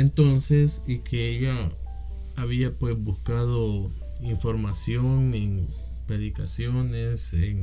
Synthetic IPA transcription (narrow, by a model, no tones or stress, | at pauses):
ent̪o̞nsesikʰeeʎaː | βiapwe̞zbuskaðo | iɱfo̞ɾmasjoŋeŋ | pɾe̞ðikasjoneseŋ